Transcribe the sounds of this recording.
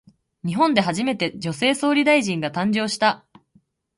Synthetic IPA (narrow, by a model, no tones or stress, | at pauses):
ɲ̟iɦõ̞nd̪e̞ɦaʑime̞t̪e̞d͡ʑo̞se̞ːso̞ːɾʲid̪aiʑĩŋɡat̪ãɲ̟d͡ʑo̞ːɕi̥t̪a